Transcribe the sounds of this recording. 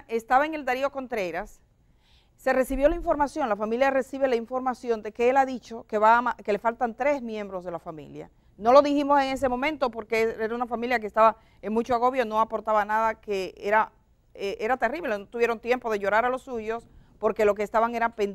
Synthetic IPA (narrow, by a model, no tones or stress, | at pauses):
ʔe̞st̪aβaeŋe̞ld̪aɾio̞ko̞nt̪ɾe̞ɾasː | e̞re̞siβjolaiɱfo̞ɾmasjo̞ŋlafamiljare̞siβe̞laiɱfo̞ɾmasjo̞nd̪e̞ke̞elaðit͡ʃo̞ke̞βamake̞le̞falt̪ant̪ɾe̞zmjẽ̞mbɾo̞zðe̞lafamḭlja̰ | no̞lo̞ðiximose̞ŋe̞s̬emõ̞mẽ̞nt̪o̞po̞ɾkeeɾaunafamiljak̬est̪aβa | eŋmut͡ʃoaɣo̞βjo̞no̞apo̞ɾt̪aβanaðake̞eɾa | eʔe̞ɾat̪e̞riβle̞no̞t̪uβjeɾo̞nt̪je̞mpo̞ðe̞ʝo̞ɾaɾalo̞sːuʝo̞spo̞ɾke̞lo̞k̬eːst̪aβaŋe̞ɾapen